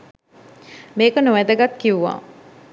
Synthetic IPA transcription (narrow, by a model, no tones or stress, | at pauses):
meːkənoʋæd̪əɡat̪kiʋuʋa̰ː